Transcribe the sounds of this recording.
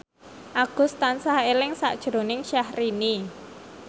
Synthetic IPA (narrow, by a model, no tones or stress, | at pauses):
ʔaɡ̥ʊ̤st̪ansahelɪŋsa̰ʔd̥ʒ̥ɾonɪŋʃahrini